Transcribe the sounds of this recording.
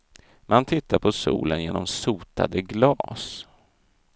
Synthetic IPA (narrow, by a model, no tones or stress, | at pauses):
mant̪ʰɪt̪ːaɾpʰɔsṵːlənjeːnɔmsuːt̪ʰa̰d̪əɡlɑːs